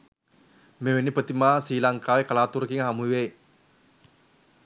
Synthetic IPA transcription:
mewenipət̪imasilaŋkawekalat̪urkiŋɦamuwe

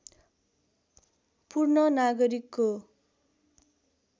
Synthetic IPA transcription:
purnʌnaɡʌɾikːo

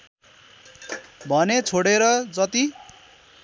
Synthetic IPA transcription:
bʱʌnet͡sʰoɽeɾʌd͡zʌt̪i

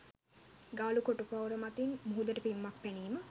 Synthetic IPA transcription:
ɡaːlukoʈupawɾəmat̪inmuɦud̪əʈəpimːak̚pæniːmə

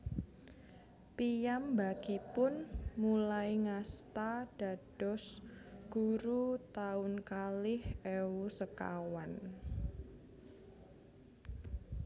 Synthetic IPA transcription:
pijambaɡ̥ipʊnmulajiŋast̪aɖ̥a̤ɖ̥ɔsɡ̥uɾut̪aʊnkalɪhʔɛwusəka̰wan

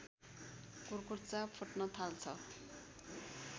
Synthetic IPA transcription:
kurkurt͡sapʰoʈnʌt̪ʰalt͡sʰʌ

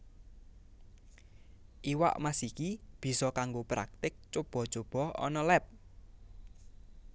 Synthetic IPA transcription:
ʔiwa̰ʔmasikib̥i̤sɔkaŋɡopɾa̰k̚t̪ɪk̚t͡ʃob̥ɔ̤̥t͡ʃob̥ɔ̤ɔ̰nɔlɛp̚

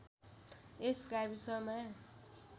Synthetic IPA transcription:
eskabisʌmã

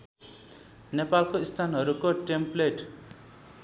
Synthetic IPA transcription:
nepalkoist̪ʰanɦʌɾukoʈempleʈ

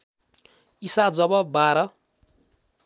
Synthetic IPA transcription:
isad͡zʌbʌbaɾʌ

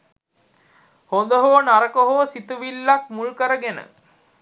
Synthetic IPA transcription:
hond̪əɦoːnaɾəkoɦoːsit̪uʋilːak̚mulkəɾəɡenə̰

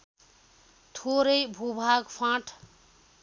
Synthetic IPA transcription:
t̪ʰoɾʌjbʱubʱaɡpʰãʈʰ

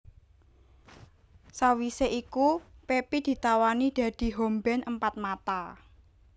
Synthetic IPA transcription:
sawiseʔikupepid̪̥i̤t̪awanid̪̥ä̤d̪̥i̤ɦombɛnʔəmpat̪̚mat̪a

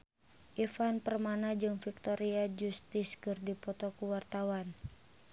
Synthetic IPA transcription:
ʔifanpərmanad͡ʒɨŋfik̚t̪ɔɾiad͡ʒust̪iskɨrdipɔt̪ɔkuwart̪awan

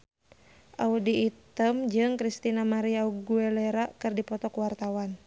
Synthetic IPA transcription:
ʔaudiːt̪əmd͡ʒɨŋkɾist̪inamaɾiauɡuɛleɾakɨrdipɔt̪ɔkwart̪awan

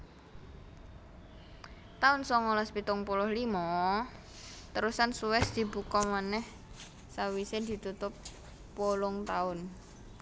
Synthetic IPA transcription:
t̪aʊnsɔŋolɔspit̪ʊŋpulʊhlimɔ | t̪əɾusansuwɛsd̪̥i̤bukɔmanɛh | sawised̪̥i̤t̪ut̪ʊpː | olʊŋt̪aʊn

